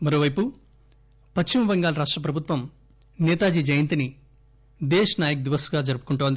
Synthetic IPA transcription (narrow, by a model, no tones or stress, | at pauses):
mɐɾo̞ːʋɐjpu | pɐt͡ʃt͡ʃːimɐʋɐŋɡaːlɐɾaːʂʈɾɐpɾɐbʱut̪ʋɐm | nɛːt̪aːd͡ʒiːd͡ʒɐjɐnt̪ini | d̪ɛːʃɐnaːjɐk̚d̪iʋɐsɡaːd͡ʒɐɾupu̥kuɳʈoːnd̪i